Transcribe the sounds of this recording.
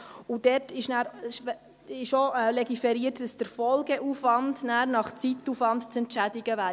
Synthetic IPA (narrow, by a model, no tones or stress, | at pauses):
ud̥ɛtɪʃnæːɾ | ɪʃoɛlɛɡifɛɾiːtd̥ɑsd̥əɾfɔlɡəʔuːfʋɑndnæːɾnɑχt͡sitːufvɑndt͡sɛntt͡ʃædɪɡəʋæː